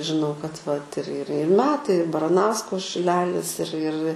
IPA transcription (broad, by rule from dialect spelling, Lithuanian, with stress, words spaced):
ʒʲɪˈnɐʊ kɐt ʋɐt ɪr ɪr ɪr ˈmʲæːtɐɪ ɪr bɐrɐˈnɐʊskoː ʃʲɪˈlʲæːlʲɪs ɪr ɪr